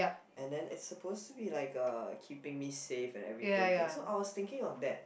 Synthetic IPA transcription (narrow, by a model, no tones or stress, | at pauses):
ja | ʔɛ̃ndɛ̃nʔɪ̰tsəpʰostubilaɪkʌkʰipɪ̃ŋmisefɛ̰̃nɛ̰vɹit̪ɪ̃asoʔaɪwɔst̪ɪ̃ŋkɪ̃ŋɔfdɛt̚